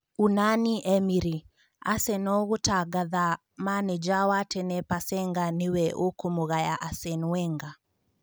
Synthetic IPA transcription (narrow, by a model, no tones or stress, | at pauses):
unaniʔɛmiɾi | a̰sɛnɔɣotaɡaða | manɛd͡ʒawatɛnɛpasɛŋɡanɪwɛʔokomoɣajaʔasɛnwɛŋɡa